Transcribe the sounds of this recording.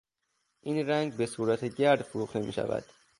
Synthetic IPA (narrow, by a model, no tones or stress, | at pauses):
ʔiːnɾæŋɡbe̞suːɾæt̪ʰeɟæɾd̪foɾuːχt̪ʰe̞mḭːʃæ̰væ̰d̪̥